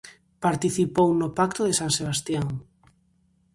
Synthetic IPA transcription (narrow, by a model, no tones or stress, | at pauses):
paɾt̪iθipownopak̚t̪oðesãŋseβ̞ast̪jaŋ